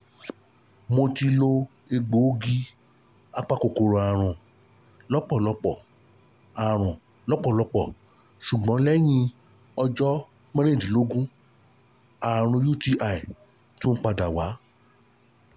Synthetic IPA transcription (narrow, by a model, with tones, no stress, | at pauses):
mõ˧ti˧lo˧ | e˧ɡ͡bo˨˦ɡi˧ | a˧k͡pa˧ko˨ko˨ɾo˨a˨ɾ̃ɔ̃˨ | lɔ˦k͡pɔ˦˨lɔ˧k͡pɔ˦˨ | a˨ɾ̃ɔ̃˨ | lɔ˦k͡pɔ˦˨lɔ˧k͡pɔ˦˨ | ʃu˨ɡ͡bɔ̃˨˦lɛ˦j̃ĩ˧ | ɔ˧d͡ʒɔ˦ | k͡pɛ̃˦ɾ̃ẽ˦˨dĩ˨lo˨˦ɡũ˦ | a˨ɾ̃ũ˧ju˦˨ti˦ʔa˨i˨ | tũ˦k͡pa˧da˨wa˨˦